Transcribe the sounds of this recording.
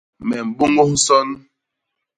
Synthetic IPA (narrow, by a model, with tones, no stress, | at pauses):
mɛ˨m̩˨bo˦ŋo˦ŋ˦sɔ˦n˦